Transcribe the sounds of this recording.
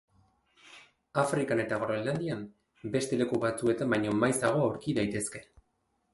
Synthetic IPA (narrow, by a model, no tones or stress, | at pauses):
afɾikane̞t̪aɣ̞ɾoeland̪iam | be̞st̪e̞le̞kuβat͡sue̞t̪ambajɲo̞majsaɣ̞o̞awɾkiðajt̪e̞ske̞̥